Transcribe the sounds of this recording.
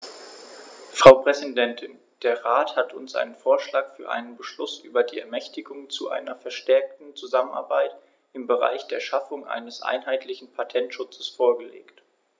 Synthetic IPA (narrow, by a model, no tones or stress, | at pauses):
fʁ̥aʊpʁ̥ɛzidɛntʰɪn | d̥eːɐʁaːthatʰʊnsʔa̰ɪnənfoːɐʃlaːkfyːɐʔa̰ɪnənbəʃlʊsʔyːbɐdiːɛ̰ɐmɛçtɪɡʊŋt͡suʔa̰ɪnɐfɛɐʃtɛɐk̚tn̩t͡suzaməna̰ɐbaɪt | ʔɪmbəʁa̰ɪçd̥eːɐʃafʊŋʔa̰ɪnəsʔa̰ɪnɦaɪtʰlɪçn̩pʰatʰɛntʃʊt͡sə̥sfoːɐɡəlḛːkt